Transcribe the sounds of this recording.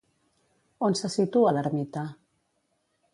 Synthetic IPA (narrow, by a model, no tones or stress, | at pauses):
onsəsit̪uaðaɾmit̪a